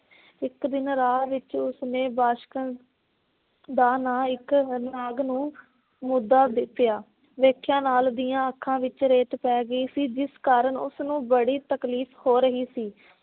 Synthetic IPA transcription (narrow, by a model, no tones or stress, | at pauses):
ɪkd̪ɪnɾaːʋɪt͡ʃʊsnẽːbaːʃk | d̪aːnaːɪknaːɡnũː | mʊd̪ːaːd̪ɪp̪ːɪjaː | ʋeːkʰːjãːnaːld̪ijãːəkʰːãːʋɪt͡ʃɾeːʈpɛːɡəiːsiːd͡ʒɪskaːɾəɳʊ̰snũːbəɽiːt̪əkliːfhoːɾəɦiːsiː